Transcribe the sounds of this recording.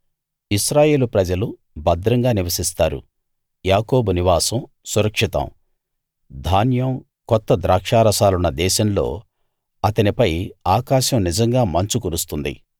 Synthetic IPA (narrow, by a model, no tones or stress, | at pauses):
isɾaːje̞ːlupɾɐd͡ʒɐlu | bɐd̪ɾɐŋɡaːniʋɐsist̪aːɾṵ | jaːko̞ːbuniʋaːsɐm | suɾɐkʂit̪ɐ̰m | d̪ʱaːnjɐm | kɔt̪ːɐd̪ɾaːkʂaːɾɐsaːlunːɐd̪ɛːʃɐmlo̞̰ː | ɐt̪ɐnipɐjaːkaːʃɐmnid͡ʒɐŋɡaːmɐɲt͡ʃukuɾust̪und̪ḭ